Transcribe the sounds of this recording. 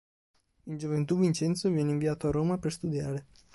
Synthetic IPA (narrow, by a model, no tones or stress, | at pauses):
ɨnʒuvent̪uɡvint͡ʃe̞nt̪suvieneinviat̪oaɾomapest̪ud̪iaɾe̞